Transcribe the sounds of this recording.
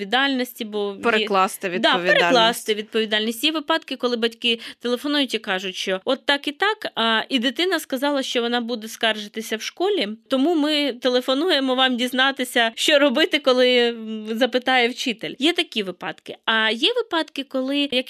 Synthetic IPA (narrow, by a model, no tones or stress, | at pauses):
ʋʲid̪ɑlʲnɔsʲtʲibɔpeɾeklˠɑst̪ɪʋʲid̪ɑpʲeɾelˠɑsɪʋʲid̪̚pɔʋʲid̪ɑlʲnʲisʲtʲjɛʋɪpɑd̪kɪkɔlˠɪbɐtʲkɪt̪elˠefɔnujʊtʲikɑʒʊtʲʃt͡ʃɔɔt̪ːɑkit̪ɑkɐid̪ɪt̪ɪnɐskɐzɑlˠɐʃt͡ʃɔʋɔnɑbud̪ɛskɑrʒɪt̪ɪsʲɐwʃkɔlʲit̪ɔmumɪt̪elˠefɔnujemɔʋɑmdʲiznɑt̪ɪsʲɐʃt͡ʃɔɾɔbɪt̪ɪkɔlˠɪzɐpɪt̪ɑjɛwt͡ʃɪt̪elʲjɛt̪ɐkʲiʋɪpɑ̰d̪̥kɪɐjɛʋɪpɑt̪kɪkɔlˠɪjɐk